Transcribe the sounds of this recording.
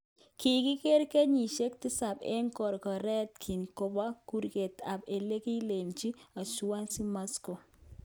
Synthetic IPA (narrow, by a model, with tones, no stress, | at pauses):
ki˨kɪ˦ke˦ɾke˦ɲi˨ʃe˦k̚t̪ɪ˦sa˨bḛ˦ŋkɔ˨ɾkɔ˨ɾɛ˦t̪kʰi˨nko˨ba˦ku˦ɾke˨t̪a˨be˨le˦ki˦le˨mt͡ʃi˦a˨su˨wa˦nsi˦ma˦sko˨